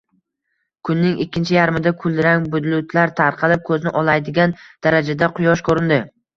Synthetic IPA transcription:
kʰʊnːɪŋɪkʲːɪnt͡ʃʰɪjaɾmɪd̪akʰʊld̪ɪɾaŋbʊd̪ɪlʊt̪ʰlaɾt̪ʰaɾqʰɑlɪp̚kʰɵznɪʔɒlˠajd̪ɪɡʲand̪̥aɾad͡ʒad̪aqʰʊjɒʃkʰɵɾɪnd̪ɪ

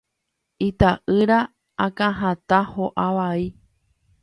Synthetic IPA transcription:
it̪aʔɨɾa | akãɦãt̪ahoʔaʋai

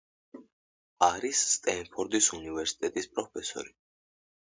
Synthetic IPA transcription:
aɾisːt̪ʼɛnpʰɔɾd̪isunivɛɾsi̥t̪ʼɛt̪ʼispʼɾɔpʰɛsɔ̰ɾi

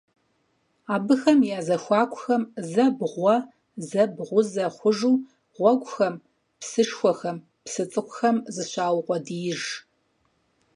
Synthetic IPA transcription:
aːbɨxɐmjaːzɐxʷaːkʷʰʼʊxɐmzɐbʁʷɔ | zɐbʁʷʊzɐχʷʊʒuː | ʁʷɔɡʷʼʊxɐm | psɨʂxʷɔxɐm | psɨt͡sʼɨqʷʊxɐmzɨɕʷaːwqʷɔdijɪʒ

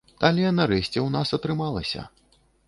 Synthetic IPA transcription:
t̪alʲɛnɐɾɛsʲt͡sʲɛwnasɐt̪ɾɨmalˠɐsʲɐ̰

